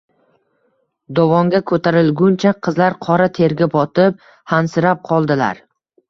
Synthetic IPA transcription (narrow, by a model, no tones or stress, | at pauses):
d̪ɒvɒŋɡʲakʰɵt̪ʰaɾɪlɡʲʊnt͡ʃʰaqʰɨzlaɾqʰɒɾat̪ʰe̞ɾɡʲabɒt̪ɪp̚ | hansɪɾap̚qʰɒlˠd̪ɪla̰ɾ